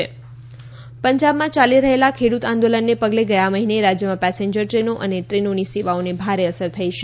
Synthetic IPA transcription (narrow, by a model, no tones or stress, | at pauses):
e | pəɲd͡ʒabmãt͡ʃaliɾəɦelakʰeɽut̪ãnd̪olənːepəɡleɡəjaməɦineɾad͡ʒjəmãpɛsẽɲd͡ʒəɾʈɾenoʔəneʈɾenoniseʋaonebʱaɾeəsəɾt̪ʰəiʃe